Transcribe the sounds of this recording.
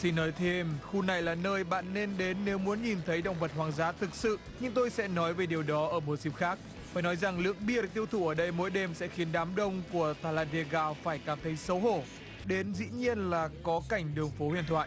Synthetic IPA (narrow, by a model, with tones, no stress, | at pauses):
si˧nːɔ˨˦jt̪ʰe˧mxu˧na˨˩jlaː˨˩nəː˧jɓa̰ː˧˨nːe˧nɗe˨˦nːe˨˦wmu˨˦ənɲi˨˩nt̪ʰə˨˦jɗə̰˧˩wŋ͡mvə˨˩t̚hwaː˨˩ŋzaː˨˦t̪ʰɨ˨˩k̚sɨ̰˧˨ | ɲɨ˧ŋt̪o˧jsɛ̰˧˥nɔ˨˦jve˨˩ɗi˨˩əwɗɔ˨˦ʔəː˧˩mo˨˩t̚si˧˩p̚xaː˦˥k̚ | faː˧˩jnɔ˨˦jza˨˩ŋlɨ̰˧˥əŋɓi˦˥ət̚t̪i˧əwt̪ʰu˧˩ʔəː˧˩ɗə˧jmo̰˧˥jɗe˧msɛ̰˧˥xi˨˦ənɗaː˨˦mɗə˧wŋ͡mku˧˩ət̪aː˧˩laː˧ɗe˧ɣaː˧faː˧˩jkaː˧˩mt̪ʰə˨˦jsə˨˦wɦo˧˩ | ɗe˨˦nzḭ˧˥ɲi˧ənlaː˨˩kɔ˨˦ka˧˩jŋ̟ɗɨ˨˩əŋfo˨˦hwi˧˨ənt̪ʰwa̰ː˧˨ʔ